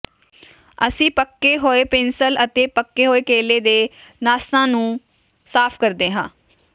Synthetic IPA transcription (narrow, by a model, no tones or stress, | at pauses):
əsĩːpəkːeːɦoːeːpɪnsələt̪eːpəkːeːɦoːeːkeːleːd̪eːnaːst̪ãːnũː | saːpʰkəɾd̪eːɦãː